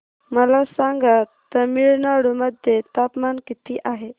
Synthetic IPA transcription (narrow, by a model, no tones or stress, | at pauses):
məlasaŋɡat̪ːəɾmiɭnaɽuməd̪ʱjet̪apmankit̪iʔaɦe